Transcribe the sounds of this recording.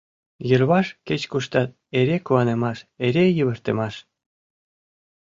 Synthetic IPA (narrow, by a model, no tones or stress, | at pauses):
jəlβɑʃket͡ɕkuʃt̪ɑt̪̚eɾekuɑnemɑʃeɾejəβərt̪əmɑʃ